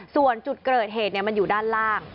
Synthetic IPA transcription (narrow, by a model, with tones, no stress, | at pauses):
su˨˩ənt͡ɕu˨˩t̪̚kɤː˨˩t̪̚ɦeː˨˩t̪̚ni˥ɐma˧njuː˨˩daː˥˩nɾaː˥˩ŋ